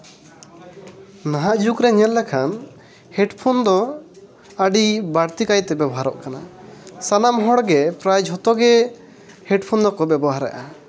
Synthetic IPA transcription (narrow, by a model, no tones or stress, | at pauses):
naɦaʔd͡ʒukɾɛɲɛlːɛkʰan | hɛɖpʰɔnd̪ɔ | əɖibaɽt̪ikajt̪ɛbɛbɔɦaɾɔ̰ʔkanasanamɦɔɽɡɛpɾajd͡ʒɦɔt̪ɔɡɛ | hɛɖpʰɔnd̪ɔkɔbɛbɔɦaɾɛ̰ʔa